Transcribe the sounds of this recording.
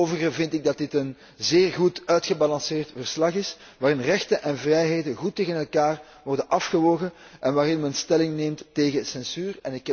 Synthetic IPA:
oːvərɣəvɪntɪɡ̚dɑt̚dɪtən | zeːrɣutœɥtxəbɑlɑnsɪːrtvərslɑχɪs | ʋaːrɪnrɛxtənʔɛnvrɛjɦeːdəɣutːeːɣənɛlˠkaːr | ʋɔrdənɑfxəʋoːɣəʔɛnʋaːɾɪnmɛnstɛlɪŋneːmtːeːɣəsɛnsyːrɛnɪkː

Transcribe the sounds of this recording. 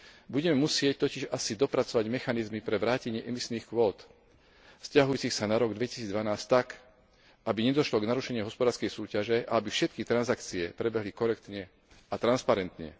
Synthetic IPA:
buɟɛmɛmusɪɛc̚t̪ɔciʒasid̪ɔpɾat͡sɔʋaɟmɛxanizmipɾɛʋɾaːcɛɲɪɛʔɛmisniːxkʋɔːt̪ | fscaɦujuːt͡sixsanaɾɔɡd̪ʋɛci̥siːd͡zd̪ʋanaːsct̪ak | ʔabiɲɛd̪ɔʃlɔɡnaɾuʃɛɲɪɛɦɔspɔd̪aːɾskɛjsuːcaʒɛʔa̰abifʃɛt̪kit̪ɾanzakt͡siɛpɾɛbɛɦlikɔɾɛk̚t̪ɲɛ | at̪ɾanspaɾɛnt̪ɲɛ̰

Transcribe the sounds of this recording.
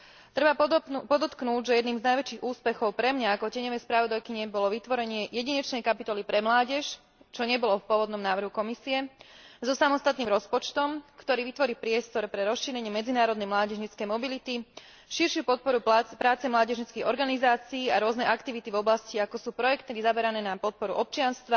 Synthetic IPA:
t̪ɾɛbapɔd̪ɔt̪knuːɟʒɛjɛd̪niːmznajʋɛt͡ʃiːɣuːspɛxɔʊpɾɛmɲaːkɔcɛɲɔʋɛjspɾaʋɔd̪ajkiɲɛbɔlɔʋit̪ʋɔɾɛɲɪɛjɛɟiɲɛt͡ʃnɛjkapit̪ɔlipɾɛmlaːɟɛʃ | t͡ʃɔɲɛbɔlɔfpʊɔʋɔd̪nɔmnaːʋrɦukɔmisiɛzɔsamɔst̪at̪niːmɾɔspɔt͡ʃt̪ɔmkt̪ɔɾiːʋit̪ʋɔɾiːpɾɪɛst̪ɔɾpɾɛɾɔsʃiːɾɛɲɪɛmɛd͡zinaːɾɔd̪nɛjmlaːɟɛʒɲit͡skɛjmɔbilit̪i | ʃiɾʃɪupɔt̪̚pɔɾupɾaːt͡sɛmlaːɟɛʒɲit͡skiɣɔɾɡanizaːt͡siːaɾʊɔznɛjʔakt̪iʋit̪ivɔblasciakɔsuːpɾɔjɛkt̪iɾizabɛɾanɛːnapɔt̪̚pɔɾṵʔɔp̚t͡ʃɪanst̪ʋa

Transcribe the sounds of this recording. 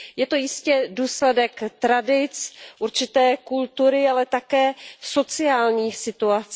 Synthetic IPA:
jɛt̪o̞jɪscɛduːslɛdɛkt̪ɾadɪt͡sʔuɾt͡ʃɪt̪ɛːkult̪uɾɪalɛt̪akɛːso̞t͡sɪaːlɲiːsɪt̪uat͡s

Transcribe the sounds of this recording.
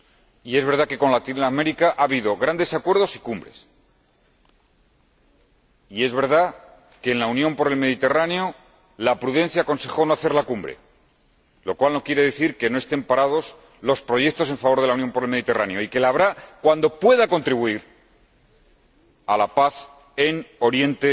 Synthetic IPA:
ie̞zβe̞ɾð̞ake̞ko̞nlat̪inlame̞ɾikaʔaβiðo̞ɣɾand̪e̞sakwe̞ɾð̞o̞si̥kumbɾe̞̰s | ie̞zβe̞ɾð̞a | ke̞ːnlaunjõ̞mpo̞ɾe̞lmeðit̪e̞raneo̞ | lapɾuðe̞nθjaːko̞nse̞xo̞no̞aθe̞ɾlakumbɾḛ | lokwalno̞kje̞ɾe̞ðeθiɾke̞no̞e̞st̪e̞mpaɾað̞o̞s | lo̞spɾo̞ʝe̞k̚t̪ose̞ɱfaβo̞ɾð̞e̞launjo̞mpo̞ɾe̞lme̞ðit̪e̞raneo̞ike̞laːβɾakwand̪o̞pwe̞ðako̞nt̪ɾiβ̞uiɾ | alapaθ | eno̞ɾje̞nt̪e

